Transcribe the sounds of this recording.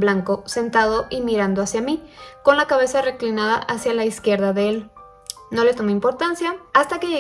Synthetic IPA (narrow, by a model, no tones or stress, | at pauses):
blaŋko̞se̞nt̪að̞o̞ʔimiɾand̪o̞asjamiko̞nlakaβe̞sare̞klinað̞a̰ʔasjalaiskje̞ɾðaðe̞el | no̞le̞t̪o̞meimpo̞ɾt̪ansjaːst̪akeʝe